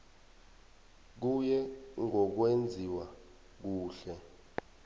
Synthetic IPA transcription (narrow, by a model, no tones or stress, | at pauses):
k̬ujɛŋɔk̬wend͡zʱiwa | k̬uːɬɛ